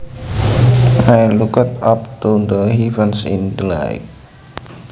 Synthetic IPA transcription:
ajlukət̪ap̚t̪ud̪əhivənsḭ̃ndla̰jk̚

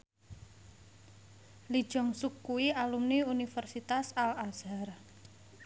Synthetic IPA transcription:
lid̥ʒ̥ɔ̤ŋsukːuwialumniunifərsit̪asalaz̥ar

